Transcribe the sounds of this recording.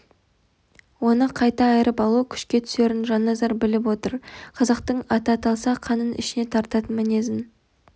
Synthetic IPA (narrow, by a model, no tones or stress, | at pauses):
wo̞nəqʰɑjt̪ɑːjəɾəpɑlˠuəkʲʰʏ̥ʃkʲe̞t̪ʰʏ̥se̞ɾɪnʒɑnːɑzɑɾbɪlɪp̬wo̞t̪əɾqʰɑzɑq̚t̪əɴɑt̪ɑt̪ɑlˠsɑqʰɑnənʔɪ̰ʃɪne̞t̪ʰɑɾt̪ɑt̪əmæne̞zɪn